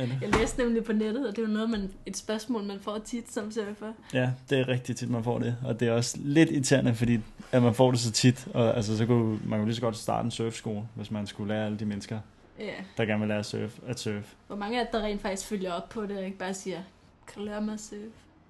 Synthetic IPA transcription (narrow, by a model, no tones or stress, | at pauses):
jɑ̈ɪlḛːsd̥nemlipʰɒ̽ned̥ð̩ˠɒ̽d̥e̝jonɔ̽ːð̩ˠmæne̝d̥sb̥ɶɐsmɔ̰ːlmænfɒ̰ːt͡sʰid̥sɒ̽msøɐfɐ | jæd̥e̝æʁɛɡ̥̚d̥it͡sʰid̥mænfɒ̰ːd̥e̝ɒ̽d̥e̝æɒ̽sle̝d̥it͡sʰæɐnəfɒ̽d̥ḭːæmænfɒ̰ːd̥e̝sɒ̽t͡sʰid̥ɒ̽æls̬əsɒ̽kʰumænkʰlis̬ɒ̽ɡ̥ɒ̽d̥sd̥ɑ̰̈ːd̥əensœːfsɡ̥o̝̰ːl̩ʋe̝smænsɡ̥ulæːɐæləd̥imenəsɡ̥ɐ | jæd̥ɑ̈ɡ̥æɐnʋelæːɐsøːfæd̥sœːfʋɒmɑ̈ŋəæd̥d̥ɑ̈ʁḛːnfɑ̈ɡ̥d̥isɡ̥føljɐɒ̽b̥̚pʰɒ̽d̥e̝ɒe̝ɡ̥̚b̥ɑ̈ːsiːɐ | kʰælæɐmɑsøːf